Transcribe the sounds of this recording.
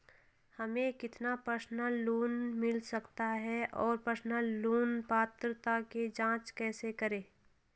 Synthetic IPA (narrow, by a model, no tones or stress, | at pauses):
hɐmẽkɪt̪napəɾsnəlːuːnmɪlsɐkt̪aɦɛʔɔːɾpəɾsnəlːuːnpaːt̪ɾət̪aked͡ʒãːt͡ʃkɛːsekəɾẽː